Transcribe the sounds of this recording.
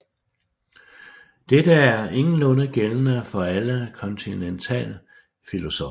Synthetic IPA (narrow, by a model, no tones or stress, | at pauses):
d̥ed̥əæɐe̝ŋn̩lɔ̽nəɡ̥elənəfɒ̽æləkʰɒ̽nt͡sʰinent͡sʰɛ̰ːlə | filo̝sɔ